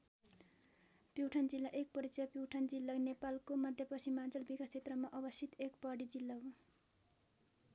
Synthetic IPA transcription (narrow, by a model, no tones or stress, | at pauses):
pjiwʈʰʌnd͡zilːaʔek̚pʌɾit͡sʌpjiwʈʰʌnd͡zilːanepalkomʌd̪ʱjʌpʌsʰimːant͡sʌlbikast͡ʃʰet̪rʌmaʔʌbʌsʰit̪ekpʌɽid͡zilːaw